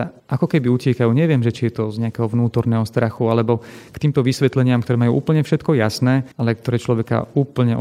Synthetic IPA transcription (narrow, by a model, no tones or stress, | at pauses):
ɛʔakɔkɛbiucɪɛkajuːɲɛʋɪɛmʒɛt͡ʃijɛt̪ɔzɲɛakɛːɦɔʋnuːt̪ɔɾnɛːɦɔst̪ɾaxualɛbɔkt̪iːmt̪ɔʋisʋɛt̪lɛɲɪamkt̪ɔɾɛːmajuːʔuːpl̩ɲɛfʃɛt̪kɔjasnɛːalɛk̚t̪ɔɾɛːt͡ʃlɔʋɛka̰uːpl̩ɲɛʔ